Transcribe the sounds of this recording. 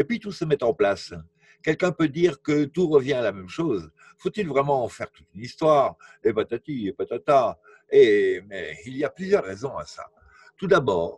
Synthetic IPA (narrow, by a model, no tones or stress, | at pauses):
epɥit̪usəmɛt̪ɑ̃plas | kʲɛlkɛ̃pød̪iʁkət̪uʁəvjɛ̃alamɛmʃoz | fot̪ilvʁɛmɑ̃fɛʁt̪ut̪ynist̪waʁepat̪at̪iepat̪at̪a | emɛiliaplyzjœʁːɛzɔ̃a̰sa̰ | t̪ud̪abɔːʁ